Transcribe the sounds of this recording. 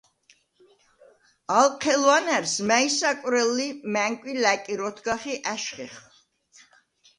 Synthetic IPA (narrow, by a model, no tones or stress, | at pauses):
alˠqʰɛlwanæɾsmæisakʼɾɛlːimæŋkʼwilækʼiɾɔt̪ʰɡaχiʔaʃχiχ